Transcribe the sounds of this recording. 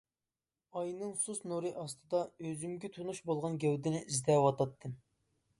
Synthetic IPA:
ɑjnɨŋsusnuɾɨʔɑst̪ɨd̪ɑøzymɡʲɛt̪ʰunuʃbolˠʁɑnɡʲɛwd̪ɪnɪʔizd̪ɛwɑt̪ɑt̪ʰːɨ

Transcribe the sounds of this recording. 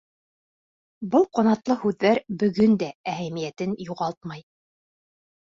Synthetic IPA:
bɤlˠqŏnɑt̪lˠɤhʉðːæɾbɵ̆ɡɵnd̪ææhæmijæt̪ɘnjuʁɑlˠt̪mɑj

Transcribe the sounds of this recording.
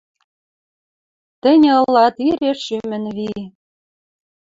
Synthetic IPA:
t̪ɘ̆nʲɤ̆lːɑt̪iɾeʃʃymɘ̆nβi

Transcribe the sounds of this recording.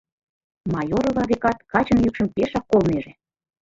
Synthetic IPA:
mɑjoɾŏvɑβekɑt̪kɑt͡ɕənjykʃə̆mpeʃɑkːolmeʒĕ

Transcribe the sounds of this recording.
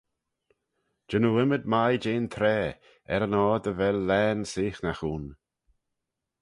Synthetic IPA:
d͡ʒ̥ənuɪməd̪̚majd͡ʒeːnt̪ʰɾɛː | ɛɾənɔːd̪əvɛlːɛːnsɪːxnaxuːn

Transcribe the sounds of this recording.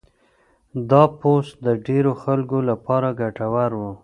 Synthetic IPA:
d̪ɑpost̪d̪əɖeɾoxalkolapɑɾaɡaʈawaɾwu

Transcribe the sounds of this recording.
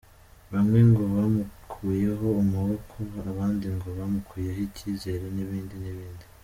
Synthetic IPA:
βamŋe̞ŋɡo̞βamukkʰuːje̞ɦo̞umuβokʰoaβaːndiŋɡo̞βamukʰuːjeɦiciːze̞ɾeniβiːndiniβiːndi

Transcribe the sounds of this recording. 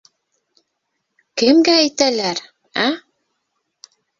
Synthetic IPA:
kɘmɡææjt̪ælæɾ | æ

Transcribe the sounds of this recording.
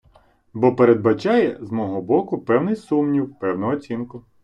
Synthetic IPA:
bɔpeɾed̪̚bɐt͡ʃɑjɛzmɔɦɔbɔkʊpɛwnɪjsumnʲiwpɛwnʊɦɔːt͡sʲinkʊ

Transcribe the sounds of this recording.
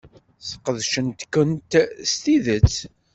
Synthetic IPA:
θə̥qːəðʃənt̪kːənt̪st̪iðət͡sː

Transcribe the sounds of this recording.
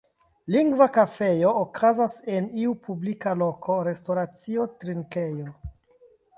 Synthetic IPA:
liŋɡvakafe̞jo̞ːkʰazaseniupʰublikalo̞kʰo̞ɾe̞stoɾat͡sio̞tɾiŋkejo

